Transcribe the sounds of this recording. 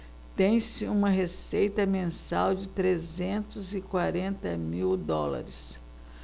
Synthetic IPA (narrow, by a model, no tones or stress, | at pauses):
t̪ẽj̃sɪũmɐɦesejt̪ɐmẽsawd͡ʒɪt̪ɾezẽnt̪ʊzɪkwaɾẽnt̪ɐmiwd̪ɔlɐ̰ɾɪs